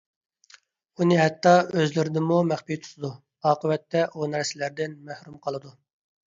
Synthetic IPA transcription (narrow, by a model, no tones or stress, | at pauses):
unɨɦɛt̪ːɑøzlɪɾɪd̪ɪmumæχpijt̪ʰu̥t̪ʰɨd̪u | ɑːqʰəwɛt̪ːɛʔunɛɾsɪlæɾd̪ɪnmæhɾumqʰɑlˠɨd̪u